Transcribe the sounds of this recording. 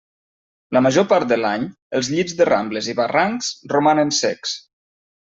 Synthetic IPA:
ləməʒopaɾt̪̚d̪əlaɲ | əlˠzʎizðəra̰mbləziβaraŋksromanənsɛks

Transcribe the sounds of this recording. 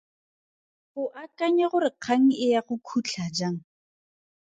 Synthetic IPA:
χʊʔakaɲɛχʊɾɪq͡χʰaŋ̩ɪjaχʊkʰut͡ɬʰad͡ʒaŋ̩

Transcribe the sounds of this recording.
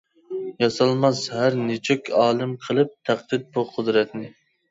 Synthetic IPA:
jɑsɑlˠmɑshæɾnet͡ʃʰykʲʰɑːlˠɨmqʰəlˠɨp̚t̪ʰæq̚d̪ɪt̪̚buqʰʊd̪ɾɛt̪nɪ

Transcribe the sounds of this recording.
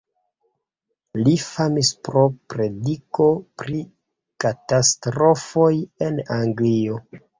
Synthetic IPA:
lifamispɾo̞pɾe̞diko̞pɾi | katastɾo̞fo̞je̞naŋɡlio̞

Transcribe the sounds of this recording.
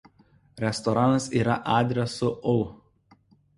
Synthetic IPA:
ɾʲɛst̪ɔɾɑːnɐsiːɾɐʔɑːd̪ʲɾʲɛsʊʔoː

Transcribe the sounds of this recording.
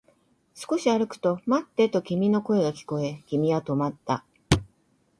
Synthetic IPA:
sɨ̥ko̞ɕiaɾɯ̟kɯ̟̥t̪o̞mat̪ːe̞t̪o̞kʲimʲino̞ko̞e̞ɡakʲi̥ko̞e̞kʲimʲiβat̪o̞mat̪ːa

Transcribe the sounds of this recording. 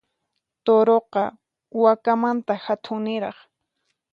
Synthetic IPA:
t̪oɾoqɑ | wakamant̪ahat̪ʰʊŋnɪɾɑχ

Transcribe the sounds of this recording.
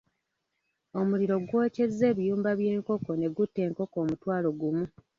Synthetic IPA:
o̞muliɾo̞ɡwoːce̞zːe̞ːβijuːmbaβjeːŋko̞ko̞ne̞ɡutːe̞ːŋko̞ko̞ːmutwaːlo̞ɡumu

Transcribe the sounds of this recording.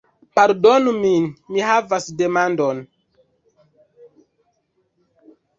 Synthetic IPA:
paɾdonuminmiɦavasde̞mandon

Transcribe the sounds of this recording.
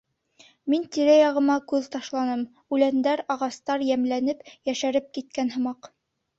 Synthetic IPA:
mint̪iɾæjɑʁɤ̆mɑkʉðt̪ɑʃlˠɑnɤm | ʉlænd̪æɾɑʁɑst̪ɑɾjæmlænɘpjæʃæɾɘp̚kit̪̚kænɦɤ̆mɑq

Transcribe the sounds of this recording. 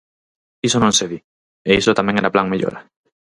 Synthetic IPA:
isonõnseβi | eisot̪amjeŋeɾaplaŋmeʎo̰ɾa

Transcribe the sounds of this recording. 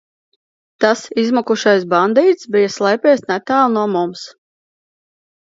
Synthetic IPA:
t̪asizmɔkuʃajsband̪iːt̪sbijaslˠɛjpʲɛːjsnɛt̪aːlˠnuɔmums

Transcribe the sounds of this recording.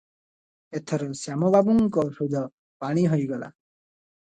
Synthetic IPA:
et̪ʰɔɾɔsjamɔbabuŋkɔʃud̪ʱɔ | paɽ̃iɦojɡɔla̰

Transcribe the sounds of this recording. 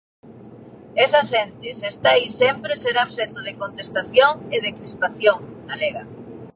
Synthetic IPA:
esasent̪ɪsest̪aisɛmpɾeseɾaβset̪oðekont̪est̪aθjoŋeðekɾispaθjoŋɡaleɣa

